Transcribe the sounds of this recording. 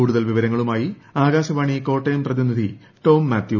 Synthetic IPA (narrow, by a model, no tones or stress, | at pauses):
uːɽuðɐlʋiʋɐɾɐŋːɐɭumaːjiaːɣaːɕɐʋaːɳiko̞ːʈːɐjɐmprɐðinid̪ʱi | ʈo̞ːmːaːt̪ju